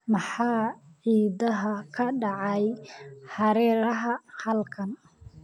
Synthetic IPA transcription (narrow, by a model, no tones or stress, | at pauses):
mɑħɑːʕiːdɐɦɐkʰɐɖɑʕɑjħɑɾɛːɾɐɦɐhɐlkʰɐn